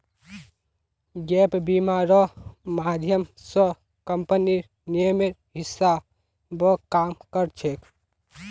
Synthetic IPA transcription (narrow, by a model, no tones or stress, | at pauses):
ɡepbimaɾɔmad̪ʱjəmsɔ | kəmpəniɾ | nijəmeɾ | ɦɪsːa | bɔkaːmkəɾt͡ʃʰek